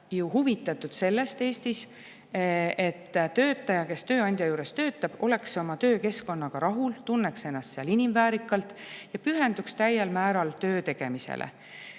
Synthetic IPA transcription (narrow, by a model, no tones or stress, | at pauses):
juhuvit̪ːˑɑt̪ːud̪̥se̞lːe̞st̪e̞ːst̪is | e̞t̪ːt̪øːt̪ːˑɑjɑke̞st̪ø̞ːɑnʲd̪̥ʲjɑjuːɾe̞st̪ø̞ːt̪ːˑɑb̥o̞le̞kso̞mɑt̪ø̞ːke̞sko̞nːɑɡ̥ɑɾʔɑɦult̪unːekse̞nːɑst̪seɑlinimvæːɾikːˑɑlt̪ˑjɑpyɦe̞nd̪̥ukst̪æjelmæːɾɑlt̪øːt̪e̞ɡ̥e̞misḛlʔḛ